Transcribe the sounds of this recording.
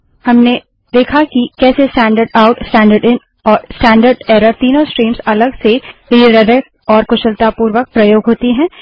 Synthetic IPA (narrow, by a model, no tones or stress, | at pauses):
hɐmne | d̪eːkʰakikɛːsesʈɛ̃ːɳɖəɾɖaʊʈsʈɛ̃ːɳɖəɾɖɪn | ɔːɾsʈɛ̃ːɳɖəɾɖɛːɾəɾt̪iːnõsʈɾiːmsɐləɡsebiːɾəd̪ə | ɔːɾkʊʃəlt̪apuːɾʋək̚pɾɐjoːɡɦoːt̪iɦɛ̃ː